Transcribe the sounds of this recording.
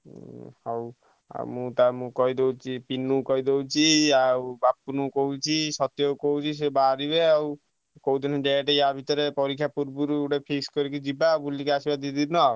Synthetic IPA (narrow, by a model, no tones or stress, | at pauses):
hɔw | a̰mũt̪amũkɔɦid̪ewt͡ʃʰipinukɔid̪ewt͡ʃʰiawbapːunukɔɦut͡ʃʰisɔt̪jɔwkɔwt͡ʃʰis̬ebaɾibeaw | kɔwt̪iniɖɛjaʈejabʱit̪ɔɾepɔɾikʰjapuɾbuɾuɽepʰekskɔɾikud͡ʒibabulikeasibad̪id̪iɾnɔ